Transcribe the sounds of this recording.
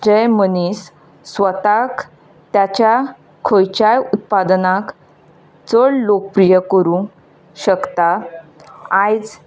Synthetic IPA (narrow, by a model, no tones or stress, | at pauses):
d͡ʑəjmənisː | ʋət̪ak | t̪jat͡ɕja | kʰəjt͡ɕajut̪̚pad̪nak | t͡səɭlokəpɾijəkəɾũ | ɕəkt̪a | ajd͡z